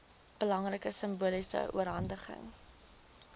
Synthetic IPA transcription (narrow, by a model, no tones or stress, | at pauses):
b̥əlɐŋrəkəsəmbuəlisə̰ʔuəɾɦɐndəχə̰ŋ